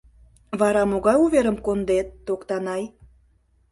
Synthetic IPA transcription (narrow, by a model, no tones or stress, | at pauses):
βɑɾɑmoɣɑjuβeɾəmkond̪et̪̚ːokt̪ɑnɑj